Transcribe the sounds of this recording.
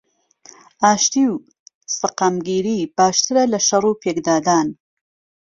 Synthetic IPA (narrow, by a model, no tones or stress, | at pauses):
ʔaːʃt̪iw | sɨqaːmɡiːɾiːb̥aːʃt̪ɨɾɐlɐʃɐrˤupʰeːkd̪aːd̪aːn